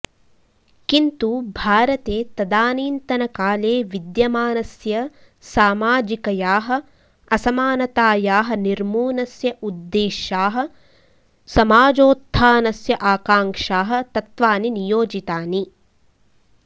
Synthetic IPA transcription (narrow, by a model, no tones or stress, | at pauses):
kint̪ubʱaːɾɐt̪eːt̪ɐd̪aːniːnt̪ɐnɐkaːleːʋid̪jɐmaːnɐsjɐ | saːmaːd͡ʒikɐjaːɦɐ̆ | ɐsɐmaːnɐt̪aːjaːɦɐ̆niɾmuːnɐsjɐʔud̪ːeːʃaːɦɐ̆ | sɐmaːd͡ʒoːt̪ʰːaːnɐsjɐʔaːkaːŋkʂaːɦɐ̆t̪ɐt̪ʋaːninijoːd͡ʒit̪aːni